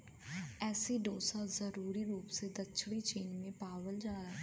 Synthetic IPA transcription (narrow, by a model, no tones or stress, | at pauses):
ɛːsiːɖoːsazəɾuːɾiːɾuːpsed̪ətːt͡ʃʰɽiːt͡ʃiːnmẽːpaːʋəld͡ʒaːaɛː